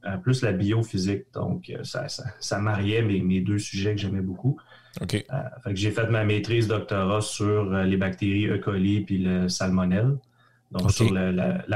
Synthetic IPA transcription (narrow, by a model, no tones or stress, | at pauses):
əplʏslabiofizɪk̚d̪ɔ̰̃kø̰sa̰sasamaʁjɛmemed̪øsyʒɛkəʒɛmɛbuku | okʲeə̰fɛkʒefɛt̪mamet̪ʁiːzd̪ɔk̚t̪ɔʁasyːʁəlebak̚t̪eʁiø̰kɔlipiləsalmɔnɛl | d̪ɔ̃ksyʁləla̰l